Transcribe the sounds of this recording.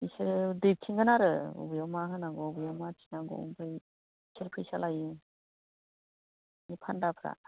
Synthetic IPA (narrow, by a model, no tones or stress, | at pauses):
isiɾdɯp̚tʰiŋɡɯnaɾɯṵbɯjɔmaɦɯnaɡɔubɯjɔmatʰinaɡɔ̰ṵŋpʰɯj | sʰiɾpʰɯjsalaji | nipʰandapʰɾa̰